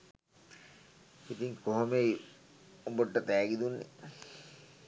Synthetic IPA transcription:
it̪iŋkoɦomei | boʈːət̪æːɡid̪unːḛ

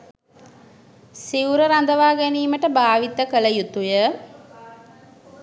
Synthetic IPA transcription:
siwɾəɾand̪əʋaːɡæniːməʈəbaːʋit̪əkələjut̪ujə

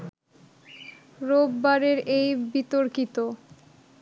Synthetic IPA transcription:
ɾobːaɾeɾejbit̪oɾkit̪o

